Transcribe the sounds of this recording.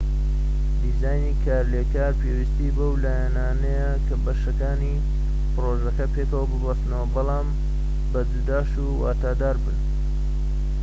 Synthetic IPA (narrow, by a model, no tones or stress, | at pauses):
d̪izaːjniːkʰaːɾleːkaːɾpewist̪ibowlaːjanaːnɐjɐkʰɐbɐʃɐkaːni | pɨroʒɐkɐpeːkɐwɐbɨbɐst̪nɐwɐbɑlˠaːm | bɐd̪ud̪aːʃuwa̰ːt̪aːd̪aːɾbɨn